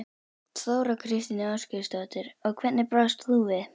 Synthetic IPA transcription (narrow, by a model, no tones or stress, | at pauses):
θoːwɾakʰɾɪst̪inɪascʏst̪at̪ɪɾɔɣkʰvɛt̪nɪpɾast̪θuvɪð